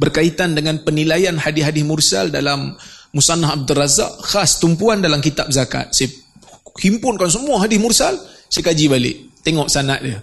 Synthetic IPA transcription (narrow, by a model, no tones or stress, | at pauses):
bərkait̪andəŋanpənilajanhadɪɦadɪmursa̰ldalamːusanaɦab̚dəraza̰ʔxast̪umpuandalamkit̪ap̚zaka̰t̪̚sajəhimpʊnkans̬əmuaɦadɪsmursalsajkad͡ʒibalɪ̰ʔt̪eŋɔʔsana̰ʔdə